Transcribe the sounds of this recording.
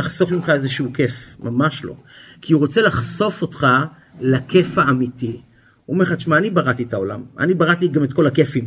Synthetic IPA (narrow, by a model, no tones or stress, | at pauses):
aχso̞fmimχaezeʃuukefmamaʃlo̞̰kʰiuʁot͡selaχso̞fo̞tχa | lake̞faːmiti | omeχatʃmaːnibaʁat̪ietaola̰ma̰nibaʁat̪iɡametko̞lakefim